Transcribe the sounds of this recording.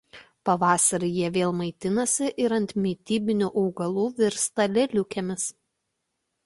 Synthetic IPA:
pɐʋɑːsɐɾɐjiɛʋʲeːlˠmɐɪt̪ʲɪnɐsʲɪʔɪɾɐnʲt̪ʲmʲiːt̪ʲiːbʲɪnʲuːʔɐʊɡɐlˠuːʋʲɪɾst̪ɐlʲɛlʲʊkʲɛmʲɪs

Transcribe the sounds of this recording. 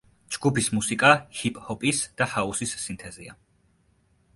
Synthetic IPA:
d͡ʒɡupismusikʼahipʼhɔpʼisd̪̥ahausisːint̪ʰɛzia

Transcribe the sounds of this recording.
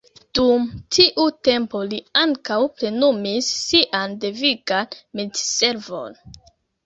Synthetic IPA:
d̥umtʰiʔute̞mpo̞liaŋkawpɾe̞numisːiʔandeviɡanmidse̞ɾvo̞̰n

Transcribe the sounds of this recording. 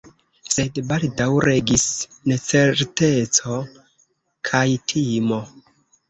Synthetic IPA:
se̞dbaldawɾe̞ɡisnet͡se̞ɾte̞t͡so̞ | kʰajtʰimo̞

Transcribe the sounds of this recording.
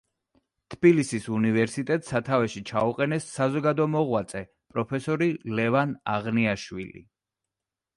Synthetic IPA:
t̪ʰb̥ilisisunivɛɾsit̪ʼɛt̪ʼsat̪ʰavɛʃit͡ʃʰauqʼɛnɛsːazɔɡad̪ɔmɔʁwat̪sʼɛ | pʼɾɔpʰɛsɔɾilɛvana̰ʁniaʃwḭlḭ

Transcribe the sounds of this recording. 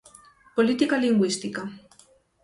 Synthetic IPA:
polit̪ikaliŋɡwist̪ika

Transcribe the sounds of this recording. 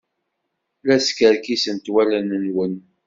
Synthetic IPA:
læskəɾkisənt̪wælænənwən

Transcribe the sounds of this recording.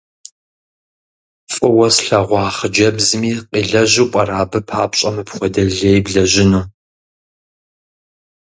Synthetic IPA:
fʼɨwɐsɬɐʁʷɑːχəd͡ʒɐbzɨmiːqiːɮɐʒuːkʷʼɐɾaːbɨpʰa̰ːpʼɕʼɐmɨpχʷɔdɐɮɐjbɮɐʒɪnuː

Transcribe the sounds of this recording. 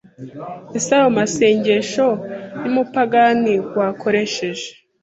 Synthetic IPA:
isaomase̞ːɲɟe̞ʃo̞nimupaɡaniwako̞ɾe̞ʃe̞ʒe̥

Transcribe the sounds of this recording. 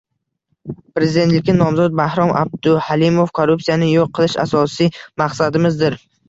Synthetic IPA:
pɾe̞zɪd̪e̞nt̪lɪkʲːanɒmzɒd̪̚bahɾɒmʔa̰b̚d̪ʊhalimofkʰoɾːupsijanɪjoqʰːɨlˠɪʃa̰sɒsijmaqsad̪ɪmɪzd̪ɪɾ

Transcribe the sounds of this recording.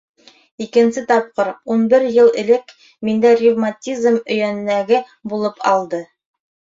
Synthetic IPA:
ikɘ̆nsɘt̪ɑp̚qɤɾunbɘɾjɤlˠɘ̰̆lɘk | mind̪ærʲivmatʲizmɵ̆jænnæɡɘ | bulˠɤpʰɑ̰lˠd̪ɤ

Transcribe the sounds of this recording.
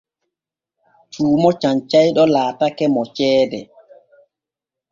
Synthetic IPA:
t͡ʃuːmɔt͡ʃaɲt͡ʃajɗɔlaːtakɛmɔt͡ʃɛːdɛ

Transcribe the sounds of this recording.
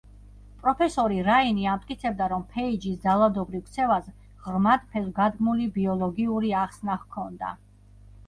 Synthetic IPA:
pʼɾɔpʰɛsɔɾiɾainiamt̪ʼkʼit̪sʰɛb̚d̪aɾɔmpʰɛid͡ʒisd̪zalˠad̪ɔbɾivkʰt̪sʰɛvas | ʁɾmat̪pʰɛlɡad̪ɡmulibiɔlˠɔɡiuɾiaχsnahkʰɔnd̪a̰

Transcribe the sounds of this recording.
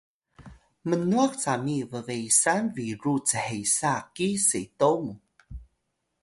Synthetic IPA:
mənuaxt͡samivəvejsanviɾut͡səhejsakisejtomu

